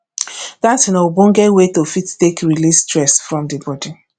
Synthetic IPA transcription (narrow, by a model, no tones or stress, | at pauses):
datnɔbõnɡɛwetofittekɹilistɹɛsfɹɔ̃mdebɔdi